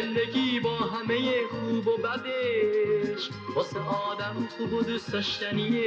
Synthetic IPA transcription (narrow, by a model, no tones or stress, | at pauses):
end̪eɡʲiːbɒːɦæme̞jekuːbobæd̪e | ʃ | bɒːseʔɒːd̪æmxuːbod̪usd̪ɒʃt̪æniːe